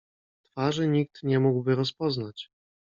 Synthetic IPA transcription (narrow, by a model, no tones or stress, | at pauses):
t̪faʐɘɲik̚t̪ɲɛmuɡwbɘɾɔspɔznat͡ɕ